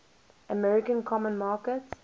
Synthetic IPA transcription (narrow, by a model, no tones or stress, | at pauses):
əmɛɹɪkə̃nkʰɔmə̃nmɑːkət